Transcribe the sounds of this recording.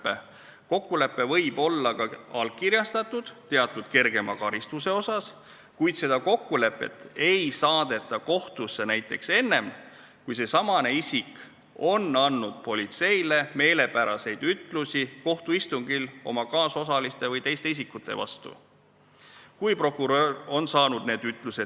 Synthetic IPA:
pːe | ko̞kːule̞pːe̞vɤjb̥o̞lːɑkɑɑlkiɾjɑst̪ɑt̪ːˑud̪̥t̪e̞ɑt̪ːˑud̪̥ke̞rɡ̥e̞mɑkɑɾist̪use̞o̞sɑs | kujd̪se̞d̪̥ɑko̞kːule̞pːˑe̞̰t̪ːˑe̞jsɑːd̪̥e̞t̪ːˑɑko̞ht̪usːe̞næjt̪ˑːe̞̰kse̞nːe̞m | kujse̞sɑmɑne̞isʲik | o̞nːɑnːud̪̥̚po̞lʲit̪se̞jle̞me̞ːle̞pæɾɑse̞jd̪̥yt̪ˑlusiko̞ht̪uist̪uŋɡ̥ilo̞mɑkɑːso̞sɑlist̪e̞vɤjt̪e̞jst̪eis̬ikːˑut̪ːˑe̞̰vɑ̰st̪ṵ | kujpro̞kːˑuɾøro̞nsɑːnud̪̥̚ne̞ːd̪̥yt̪ːˑluse̥

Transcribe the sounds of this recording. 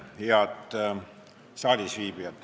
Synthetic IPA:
heɑt̪ | sɑːlʲisʋiːbiɑt̪ːˑ

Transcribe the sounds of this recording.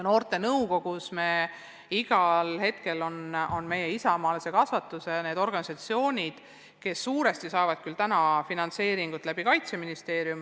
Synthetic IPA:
no̞ːrt̪ˑe̞nɤwko̞ɡ̥usme | iɡ̥ɑlhe̞t̪ke̞lo̞no̞nme̞jeisɑmɑːlese̞kɑsvɑt̪ːˑusene̞ːd̪̥o̞rɡ̥ɑnisɑt̪sio̞ːnʲid̪̥ | ke̞sːuːɾe̞st̪isɑːvɑd̪̥kylt̪ænɑfinɑnt̪se̞ːɾiŋɡ̥ut̪ːˑlæb̥ikɑjt̪seminist̪e̞ːɾjum

